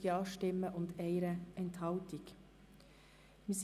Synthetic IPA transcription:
jɑːʃʈɪməʔʊnt̪eɪɾəɛnt̪ʰɑʊt̪ɪk | mis

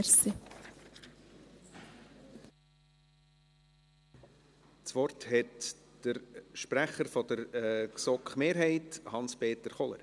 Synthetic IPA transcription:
si | t͡sʋɔrthɛtd̥əɾʃpɾæχəɾfɔd̥əɾɛsɔkχmeːɾɦɛɪthɑnspeːtəɾχɔlə̰ɾ

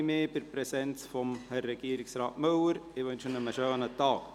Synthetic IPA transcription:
mɪːbɪɾpɾɛsɛnt͡sfɔmhɛːɛɡ̥iːəɾɪksɾɑːtmɵwəɾɪʋɵnʃənəməʃøːnətɑːk

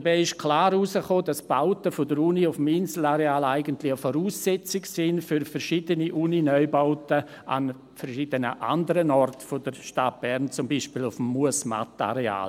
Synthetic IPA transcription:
əbɛɪɪʃkʰlaːɾusəχoːdasb̥aʊtəfodəɾuːniʊfmɪnsl̩aɾeaːlaɪɡəntlɪxəfoɾuːsːɛt͡sɪksɪnfyɾfɛɾʃidəniʔuːninœʏbaʊtə | ʔa̰n | fɛɾʃid̥ənəʔa̰ndəɾənɔrtfodəɾʃtat̚b̥ɛɾnt͡sʊmbiːʃpiːlʊfmːuəsma̰ta̰ɾea̰ːl

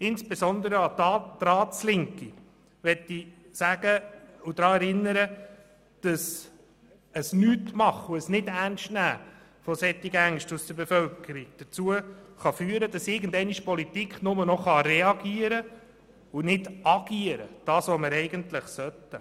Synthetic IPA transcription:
ɪnsb̥esɔnd̪əɾəɑd̪ɑd̪̥ɾɑːt͡slɪŋki | ʋɛtːi | sæːɡəʊd̥̪ɾɑːɛɾɪnːəɾə | d̥ɑs | əsnyːtmɑχʊəsnɪdænstnæː | fɔsɛt̪ːiɡæŋʃtusd̥əɾbefœlkəɾiɡ̥̚d̥ət͡suəχɑfyːəɾəd̥ɑsɪɾɡən̩dɛɪniʃpɔlit̪ikχnʊmənɔχɑɾɛɑɡiːəɾə | ʊnɪd̥ɑɡ̥iəɾə̰d̥ɑːsʋɔməɾɛɪɡəntləχsœtːə

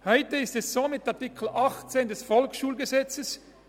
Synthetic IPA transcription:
hɔʏtəɪstɛssoːmɪtɑɐtɪkʰl̩ʔɑχt͡seːndɛsfɔlksʃuːlɡəzɛt͡səs

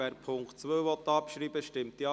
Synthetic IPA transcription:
ɛɾpʰʊŋktt͡sʋøːʋɔt̪ːɑːpʃɾiːbəʃtɪmt̪iɑ

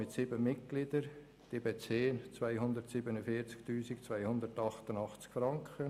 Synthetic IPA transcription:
mɪtsiːbəmɪtɡ̥lid̪əɾ | d̥eːbeːt͡seːnt͡svaɪɦʊnd̪əɾtsiːbənəfiːɾt͡sktyːsɪkt͡svaɪhʊnd̪əɾtɑχtənɑχt͡skfɾɑŋkʰχə

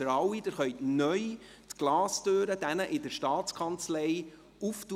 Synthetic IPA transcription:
əɾɑwid̥əχœʏtnœj | t̪ɡ̥lɑːstøːɾəd̥ænəʔɪd̥əɾʃtɑːtt͡skʰɑnt͡slɛj | uftu

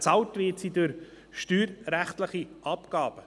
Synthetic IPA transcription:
t͡sɑwtʋɪːtsidøɾ | ʃtyːɾɾæχtləχiʔɑpɡ̥ɑːb̥ə

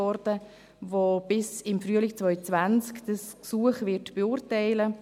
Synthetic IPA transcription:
ɔɾdə | vob̥ɪsɪmfryəlɪkt͡svœʏt͡svant͡skd̥əsksuəχvɪɾtb̥eʊːrtɛɪlə

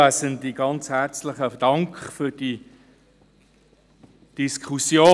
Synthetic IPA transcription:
æsəndiɡɑnt͡shæʁt͡slɪχəd̥ɑŋkχfyd̥i | d̥iskʰχusjoː

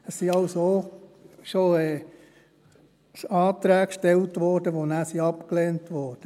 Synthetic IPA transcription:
əssiɑwsoː | ʃoɛː | ɑːt̪ɾæːkʃtɛltʋɔɾd̥əʋonæːsiɑpkleːntʋɔːɾd̥ə

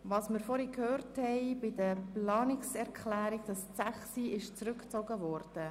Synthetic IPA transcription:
ʋɑːsməɾfɔɾikhøːrthɛɪbɪdəplɑːnɪksɛɾkχlæːɾiɡ̚d̥ɑst͡sæχsiɪʃt͡sɾʏkt͡sɔɡəvɔrd̥ə

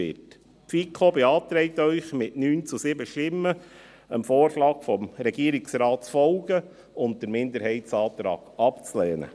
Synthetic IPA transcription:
ɪt | pfikʰobɛɑːt̪ɾɛɪtœʏχmɪtnyːnt͡susɪbəʃtɪmːə | əmfoːrʃlɑːɡ̥fɔmɾɛɡ̥iəɾɪksɾɑːtt͡sfɔlɡ̥ə | ʊnt̚d̥əɾmɪndəɾɦɛɪtsɑːt̪ɾɑ̰ːɡ̥ɑpt͡slɛːnə̰

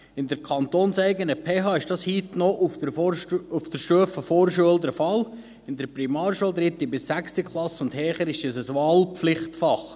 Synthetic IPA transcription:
ɪnd̪əɾkʰɑnt̪oːnsɛɪɡənəpʰeːɦɑːɪʃd̥ɑshiːt̪nɔʔu | uft̪əɾʃtøəfəfoːɾʃuəld̪əɾfɑl | ɪnd̪əɾpɾimɑːɾʃuəld̪ɾɪt̪ːibɪsːækstikχlˠɑsʊnd̪hɛːχəɾɪʃisəsʋɑːlpflɪχt̪fɑχ

